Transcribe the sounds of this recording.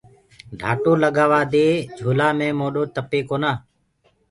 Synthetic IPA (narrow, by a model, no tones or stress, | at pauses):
ɖʱa̰ːʈoːləɠaːʋaːd̪eːd͡ʒʱoːlaːmẽːmoːɗoːt̪əpeːkoːnaː